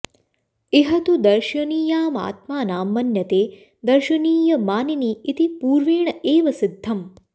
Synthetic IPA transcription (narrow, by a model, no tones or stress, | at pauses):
eɦɐt̪ud̪ɐɾʃɐniːjaːma̰ːt̪maːnaːmːɐnjɐt̪eː | d̪ɐɾʃɐniːjɐmaːniniːit̪ipuːɾʋiːɳɐʔeːʋɐsid̪ʱːɐm